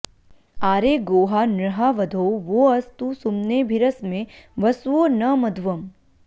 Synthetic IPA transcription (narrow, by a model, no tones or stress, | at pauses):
aːɾeːɡoːɦaːnɾɐɦaʋɐd̪ʱoːʋoːɐst̪usumneːbʱiɾəsmẽʋɐsʋoːnɐmɐd̪ʱʋɐm